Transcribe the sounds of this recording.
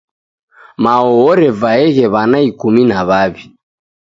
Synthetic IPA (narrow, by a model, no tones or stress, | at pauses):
maɔɔɾɛvaɛɣɛβanaikuminaβaβi